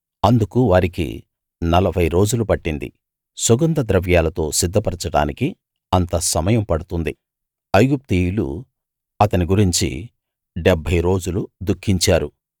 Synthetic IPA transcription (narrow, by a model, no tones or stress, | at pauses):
ɐnd̪ukuʋaːɾikḭ | nɐlɐbʱɐjɾo̞ːd͡ʒulupɐʈːind̪ḭ | sɔɡɐnd̪ɐd̪ɾɐʋjaːlɐt̪o̞ːsid̪ʱːɐpɐɾɐt͡ʃɐɽa̰ːniki | ɐnt̪ɐsɐmɐjɐmpɐɽut̪und̪i | ɐjɡup̚t̪ijulṵ | ɐt̪ɐniɡuɾiɲt͡ʃḭ | ɖɛbʱɐjɾo̞ːd͡ʒulud̪ukʰːiɲt͡ʃaːɾu